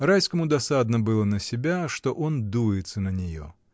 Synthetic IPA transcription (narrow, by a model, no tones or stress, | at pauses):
rajskəmʊd̪ɐsad̪nəbɨlˠənəsʲɪbʲaʂt̪o̞ʔo̞nd̪ujɪt̪sənənʲɪjo̞̰